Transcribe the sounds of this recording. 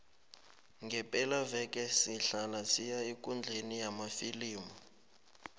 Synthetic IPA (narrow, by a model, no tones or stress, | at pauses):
ŋɡʱɛpʼɛlavɛkʼɛsiɬalasijaekʼund͡ɮʱenijamafiliːmɔ